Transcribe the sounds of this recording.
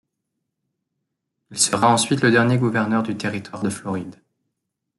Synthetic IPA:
ilsəʁaɑ̃sɥit̪ləd̪ɛʁnjeɡuvɛʁnœʁd̪yt̪eʁit̪waʁd̪əflɔʁid̪

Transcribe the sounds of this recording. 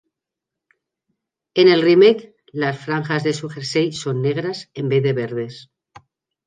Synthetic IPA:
ene̞lrimek | lasfɾaŋxazðesuxeɾsejsonːeɣ̞ɾase̞mbeðeβeɾð̞e̞s

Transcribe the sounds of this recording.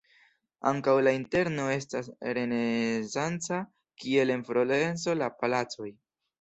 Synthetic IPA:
a̰ŋkawlainte̞ɾno̞e̞stasɾe̞nesant͡sa | kie̞le̞nfɾole̞nso̞lapalat͡so̞j

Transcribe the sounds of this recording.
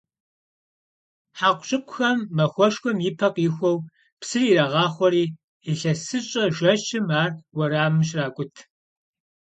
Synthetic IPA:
ħaːqʷɕʼɪkʷʰʼʊxɐmːɐxʷɔʃxʷɔmjɪpʰɐqʼɪxʷɔw | psɨriːrɐʁɑːχʷɔɾiː | iɬɐsɨɕʼɐʒʷɐt͡ʃɪmaːrwɐɾaːmɕ̬raːkʷʼʊtʰ

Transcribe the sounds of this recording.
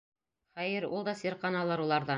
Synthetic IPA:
χæjɘɾulˠd̪ɑsiɾqɑnɑlˠɤɾulˠɑɾðɑ

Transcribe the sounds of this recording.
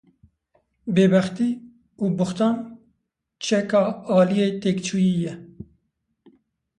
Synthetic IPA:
beːbɛxt̪iː | uːbʊxt̪ɑːn | t͡ʃʰɛkɑːɑːlijeːt̪eːkt͡ʃʰuːjiːjɛ

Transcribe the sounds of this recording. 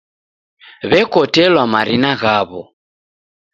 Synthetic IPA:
βɛkɔtɛlwamaɾinaɣaβɔ̰

